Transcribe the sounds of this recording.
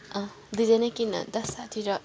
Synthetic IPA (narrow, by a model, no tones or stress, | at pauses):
d̪id͡zenʌkinʌ̰d̪ʌsːat̪ʰiɾʌ